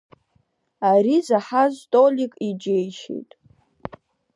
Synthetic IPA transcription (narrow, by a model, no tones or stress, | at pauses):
aɾizaħaztʼolʲikʼid͡ʒejʃḛjtʼ